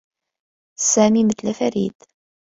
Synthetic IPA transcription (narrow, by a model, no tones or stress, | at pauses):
sæmimət̪læfæɾid̪